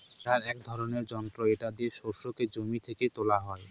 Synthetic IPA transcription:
t̪aɾɛk̚d̪ʱɔɾoneɾd͡ʑɔnt̪ɾoeʈad̪iʃoɾʃoked͡ʑomit̪ʰeket̪olaɦɔe

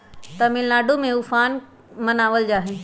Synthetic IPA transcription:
t̪ɐmɪ̃laːɖʱomẽuːfaːn | mɐnaːʋəld͡ʑaːɦeː

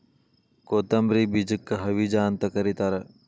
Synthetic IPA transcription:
koːt̪ɐmbɾiːbid͡ʒəkːɐɦɐʋid͡ʒaːnt̪ɐkɐɾit̪ɐɾɐ

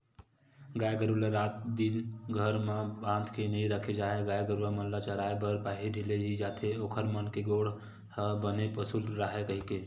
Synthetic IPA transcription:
ɡaːjɡəɾulaɾat̪d̪inɡʱəɾmebãd̪ʱkenəɦĩɾəkʰed͡ʒaːeɡaːjɡəɾulaməllat͡ʃəɾaebəɾbaɦiɖʱileɦid͡ʒat̪ʰeokʰəɾmənkeɡoɽ | həbənepəsulɾəɦekəɦike

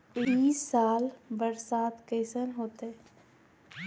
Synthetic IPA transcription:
iːsːaːlbəɾsaːd̪keːsənɦoːt̪ee

